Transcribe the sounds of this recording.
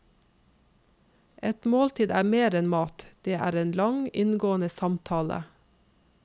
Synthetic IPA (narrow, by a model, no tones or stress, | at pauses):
ʔɛt̪moːlt̪ʰiːd̪æːmeːɾɛnmɑːt̪d̪̥eːʔæ̰ːɾeːnlɑŋɪnɡoːənəsɑmt̪ʰɑːlə̰